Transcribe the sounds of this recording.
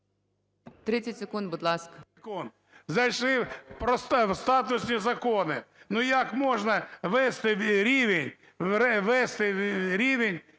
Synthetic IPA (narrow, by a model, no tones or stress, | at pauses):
t̪ɾɪt͡sʲɐtʲsekund̪bud̪lˠɑskɐkund̪̚ | zɐjʃlɪpɾɔst̪ʋst̪ɑt̪ʊsʲnʲizɐkɔnɪnujakmɔʒnɐʋɛst̪ɪɾʲiʋenʲ | ɾɛʋɛst̪ɪɾʲiʋenʲ